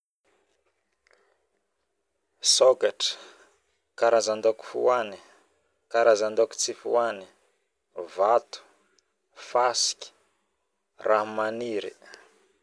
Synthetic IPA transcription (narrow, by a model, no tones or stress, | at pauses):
sokaʈ͡ʂə̥ | kaɾazand̪oku̥fṵani̥ | kaɾazand̪oki̥t͡sifṵani̥ | vat̪u̥ | fasi̥kʲi̥ | raɦmaniɾḭ